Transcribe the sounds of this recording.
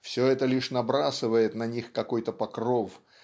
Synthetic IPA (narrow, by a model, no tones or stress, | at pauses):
fsʲɵɛt̪əlʲiʂnɐbɾasɨvəjɪt̪nɐnʲixkɐko̞jt̪əpɐkro̞f